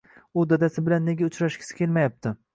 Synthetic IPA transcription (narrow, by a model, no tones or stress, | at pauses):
ʊd̪ad̪asɪbɪlanːe̞ɡʲaʊt͡ʃɾaʃkʲʰɪ̥sɪ̥kʲe̞lmajap̚t̪ʰɪ